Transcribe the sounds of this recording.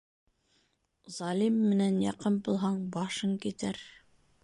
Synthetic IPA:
zɑlʲimːɘ̆nænjɑqɤmbŭlˠɦɑɴbɑʃɤŋkit̪æɾ

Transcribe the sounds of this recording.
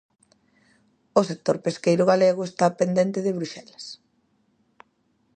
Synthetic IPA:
osek̚t̪oɾpeskejɾʊɣaleɣoest̪apend̪ent̪ɪðeβɾuʃɛlas

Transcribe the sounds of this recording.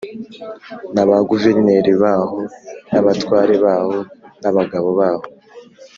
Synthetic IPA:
naβaɡuve̞ɾneɾiβaːho̞naβatwaːɾeβaːho̞naβaɡaβo̞βaːho

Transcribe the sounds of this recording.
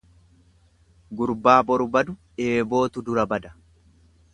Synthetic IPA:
ɡʊɾbaːbɔɾʊbɐd̪ʊ | eːbo̞ːt̪ʊd̪ʊɾɐbɐd̪ɐ̥

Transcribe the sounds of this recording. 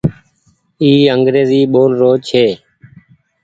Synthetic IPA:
iːəŋɡɾeːziːɓoːlɾoːt͡ʃʰeː

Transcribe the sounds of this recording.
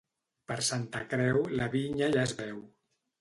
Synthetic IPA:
pəɾsant̪əkɾɛwləβiɲaʒaezβɛw

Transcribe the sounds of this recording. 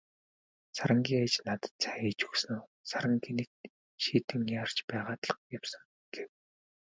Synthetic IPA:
saɾə̆ŋɡʲiːŋat͡ɕnat̪ə̥̆t̪t͡sʰḁxiːt͡ɕɵ̥ksɘ̆noːsaɾə̆ŋɡʰinĭk̚ | ʃiːt̪ɘ̆mʲjaːr̥t͡ɕpæːʁaːt̪ɮə̆qjawsə̆ŋ | ɡ̥ew

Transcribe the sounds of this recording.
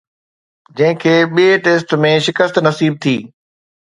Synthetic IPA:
d͡ʑɐ̃ɦɪ̃kʰeːɓieʈeːsʈmẽʃɪkəst̪nɐsiːb̚t̪ʰiː

